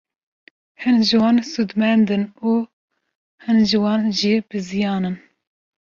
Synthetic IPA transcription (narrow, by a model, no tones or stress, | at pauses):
hɨnʒɨwɑːnsud̪mɛnd̪ɨnuː | hɨnʒɨwɑːnʒib̥ɨzijɑːnɨn